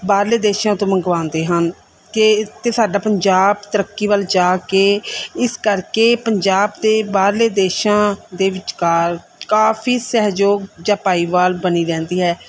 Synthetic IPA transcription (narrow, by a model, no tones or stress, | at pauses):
baːɾleːd̪eːʃãːt̪õːməŋɡʋãːnd̪eːɦən | kɪt̪eːsaːɖaːpəɲd͡ʒaːbt̪əɾəkːiːʋəld͡ʒaːkeːɪskəɾkeːpəɲd͡ʒaːbd̪eːbaːɾleːd̪eːʃãːd̪eːʋɪt͡ʃkaːɾ | kaːfʰiːsɛɦd͡ʒoːɡd͡ʒãːpaːiːʋaːlbəniːɾɛ̃ːnd̪iːɦɛː